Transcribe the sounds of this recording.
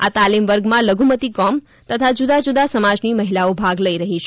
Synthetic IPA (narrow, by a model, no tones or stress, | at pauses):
at̪alimʋəɾɡmãləɡʱumət̪ikɔm | t̪ət̪ʰad͡ʒud̪ad͡ʒud̪asəmad͡ʒniməɦilaobʱaɡləiɾəɦit͡ʃʰ